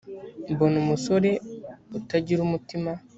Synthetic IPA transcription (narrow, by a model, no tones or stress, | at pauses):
bonumusoɾe̞utaɟiɾumutima